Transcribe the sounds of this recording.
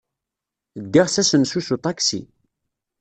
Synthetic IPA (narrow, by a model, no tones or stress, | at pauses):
d̪ːiʁsæsənsusut̪ˤɑksḭ